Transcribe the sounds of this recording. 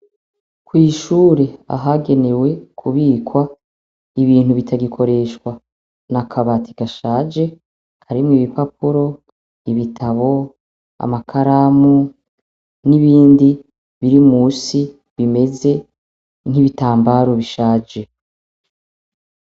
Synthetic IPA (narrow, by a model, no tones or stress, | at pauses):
kwiːʃuːɾe̞a̰ɦaɡe̞ne̞we̞kʰuβiːkwa | iβiːn̥huβitʰaɡikʰo̞ɾe̞ʃkwa | nakʰaβatʰi̥ɡ̥aʃaːd͡ʒe̞ | kʰaɾimŋiːβipapuɾo̞ | iβitʰaβo̞ | a̰makʰaɾamu | niβiːndi | βiɾimuːsi | βime̞ze̞ | n̥hiβitaːmbaɾo̞βiʃaːd͡ʒe̞